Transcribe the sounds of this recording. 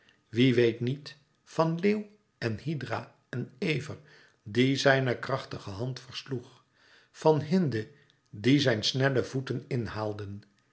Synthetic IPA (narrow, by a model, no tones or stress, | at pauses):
ʋiʋejtnit | fɑnleːw | ɛnhidra | ɛnejvər | dizɛjnəkrɑχtəχəɦɑntfəɹsluχ | fɑnɦɪndə | dizɛjnsnɛləvutənɪnhaːlˠdən